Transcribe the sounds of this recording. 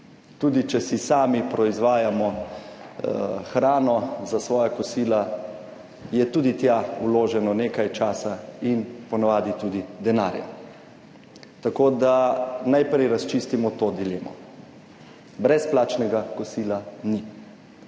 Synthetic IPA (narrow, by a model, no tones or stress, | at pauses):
t̪uːd̪it͡ʃɛsisaːmipɾɔizʋaːjamɔ | xɾaːnɔzasʋɔːjakɔsiːla | jɛt̪uːd̪it̪jauloːʒɛnɔneːkajt͡ʃaːsainpɔnaʋaːd̪it̪uːd̪id̪ɛnaːɾja̰ | t̪akoːd̪anajpɾɛjɾast͡ʃiːst̪imɔt̪od̪ileːmɔ̰ | bɾɛsplaːt͡ʃnɛɡakɔsiːlani